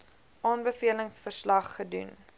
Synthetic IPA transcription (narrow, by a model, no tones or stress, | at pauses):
ʔɑːnbəfiələŋsfərslɐχːədṵn